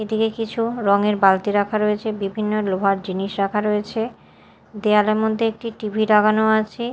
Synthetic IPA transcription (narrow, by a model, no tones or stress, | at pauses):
ed̪ikekit͡ɕʰuɾɔŋeɾbalt̪iɾakʰaɾoet͡ɕʰebibʱinːolobʱaɾd͡ʑiniʃɾakʰaɾoet͡ɕʰe | d̪ealemod̪ʱːeek̚ʈiʈibʱiɾaɡanoat͡ɕʰe